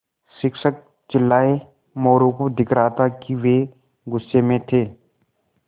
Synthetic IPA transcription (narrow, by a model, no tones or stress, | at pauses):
sɪkʃək̚ | t͡ʃɪlːaːe | mɔːɾõkod̪ɪkɾaːt̪akiʋe | ɡʊsːemẽt̪ʰeː